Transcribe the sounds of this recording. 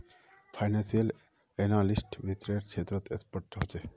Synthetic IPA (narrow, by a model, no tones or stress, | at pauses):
pʰajnensiəl | enalisʈbʱit̪ɾeɾt͡ʃʰet̪ɾɔt̪ḛspoɾʈ̪ɦot͡ɕʰe